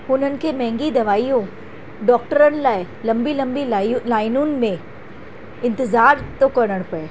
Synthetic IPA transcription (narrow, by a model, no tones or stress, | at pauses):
hʊn̤ənɪ̆kʰemɛ̃ɦɪ̃ŋɡid̪ɐʋaːijũ | ɖɔːk̚ʈəɾənɪ̆laːɪ | lɐ̃mbilɐ̃mbilaːɪnũnɪ̆mẽ | ɪ̃nt̪ɪzaːɾt̪okɐɽ̃əɽ̃pɐeː